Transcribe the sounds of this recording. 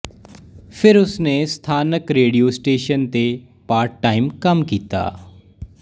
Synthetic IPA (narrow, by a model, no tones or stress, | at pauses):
pʰɪɾʊsneːst̪ʰaːnəkɾeːɖijoːsʈeːʃənt̪e | paːɾʈːaːimkəmkiːt̪a̰ː